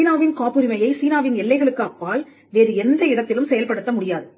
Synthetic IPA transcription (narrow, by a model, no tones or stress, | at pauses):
iːnaːʋɪnkaːpɯɾɪmɐjɐɪsiːnaːʋɪnɛlːɐɪɣɐɭɯkːɯɐpːaːl | ʋeːɾɯɛnd̪ɐɪɽɐt̪ːɪlɯmsɛjɐlpɐɽɯt̪ːɐmʊɽɪjaːðɯ